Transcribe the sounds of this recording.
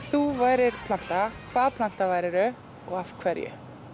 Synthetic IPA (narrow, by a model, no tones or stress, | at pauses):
θuvaːjɾɪɾ̥pʰlan̥t̪akʰvaːðpʰlan̥t̪avaːjɾɪɾʏ | ɔ̰ɣafkʰvɛɾjʏ̰